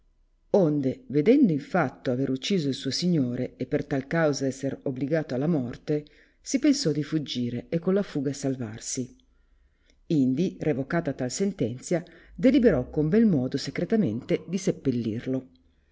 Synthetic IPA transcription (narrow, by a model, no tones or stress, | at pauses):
ond̪eved̪ɛnd̪oiɱfat̪ːoaveɾut͡ʃːiːzoilsuːosiɲːoːɾeepːert̪alkawzaɛsːeɾobliɡaːt̪oalːamɔrt̪e | sipensɔd̪ifud͡ʒːiːɾeekːolafuːɡasalva̰rsi | ind̪irʔevokaːt̪at̪ːalsent̪ɛnt̪sjad̪elibeɾɔkombɛlmɔːd̪osekɾet̪ament̪ed̪isepːelːḭrlo